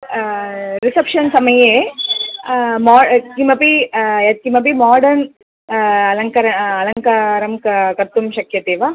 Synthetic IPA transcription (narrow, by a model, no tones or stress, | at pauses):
ɾisɐpʂɐnsɐmɐje | maːkimɐpiɐt̪̚kimɐp̬imaːɖɐɾn | ɐlɐŋkɐɾɐɐlɐŋkaɾɐmkɐkɐɾt̪umʃɐkjɐt̪eːʋa